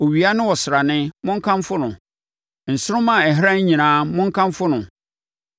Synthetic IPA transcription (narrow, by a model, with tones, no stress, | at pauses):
o˨ɥi˨a˦nɪ̃˦wɔ˨sɪ˨ɾa˨nɪ̃˦mʊ̃˦ŋ̩˦kʰã˦mfʊ˦nʊ̃˨ | n̩˨sʊ˦ɾʊ̃˦mã˨ɛ˨ɦɪ˦ɾã˦ɲ̩˦ɲĩ˨nãː˦mʊ̃˦ŋ̩˦kʰã˦mfʊ˦nʊ̃˨